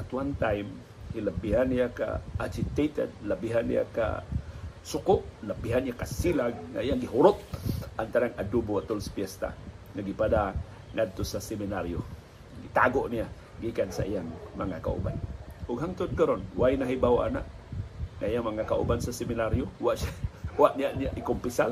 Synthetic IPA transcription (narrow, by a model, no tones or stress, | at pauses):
at̪want̪ajm | hilabiɦanːijaka̰at͡ʃit̪et̪ɛ̰d̪̚labiɦanḭja̰ka̰ | sʊkʊʔlabiɦanijakasilaɡ̚ŋa̰ijaŋɡiɦuɾʊt̪̚ʔant̪aɾaŋadubuat̪ʊlspiɛst̪a̰ŋaɡipada | ŋad̪̚t̪usasɛminaɾio | ɡit̪aɡoʔnia | ɡikansa̰ijaŋmaŋaka̰ṵba̰nuɡɦaŋt̪ʊt̪̚kəɾɔnwainaɦibawaʔana̰ʔ | ŋaijaŋmaŋakaʔṵbansasɛminaɾiowaʔsawaʔniaʔniaʔikumpisal